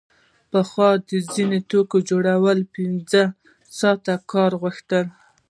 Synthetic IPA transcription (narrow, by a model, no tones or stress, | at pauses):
pəxwɑd̪əzinet̪okod͡ʒoɽawəlpinzə | sɑt̪akɑɾɣəxt̪əl